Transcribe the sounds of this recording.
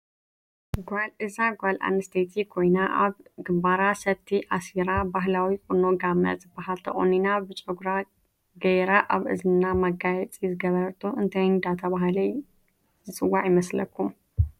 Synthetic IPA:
ɡʷalʔɨzaɡʷalʔa̰nɨst̪ʰet̪ʰikʰo̞jnaʔaβɡɨmbaɾasɐt̪ʰːiʔasiɾabaɦlawikʼunoɡamːɐ̰zɨbːaɦalt̪ʰɐ̰χʼo̰ninabɨt͡ʃʼɨɡɾa | ɡɐjɾaʔaβʔɨ̰zɨnamɐɡajɛt͡sʼizɨɡɐβɐɾt̪ʰuʔɨnt̪ʰɐjnd̪at̪ʰɐβaɦlɐj | zɨt͡sʼɨwːaʕjɪmɐslɐ̰kʰːum

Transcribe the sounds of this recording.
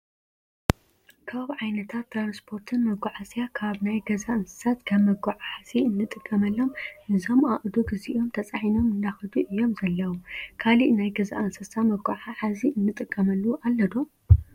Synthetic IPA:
kʰaβʕajnɐt̪ʰat̪ːɾanspʰo̞ɾt̪ʰɨnmɐɡʷaʕasjakʰaβnajɡɐzaʔɨnsɐ̥sat̪kʰaβmɐɡaʕaħasiɨnːɨt̪ʼɨkʼːɐmɐlːo̞mʔɨzo̞maʔʼd̪oɡɨziʔo̞mt̪ʰɐt͡sʼaħino̞mɨnd̪axɐd̪uʔɨjːo̞mzɐlːɐwukʰaliʔnajɡɐza̰ʔɐnsɐsamɐɡaʕaʕaziʔɨnːɨt̪ʼɨkʼːɐmɐlːuʔalːɐd̪om

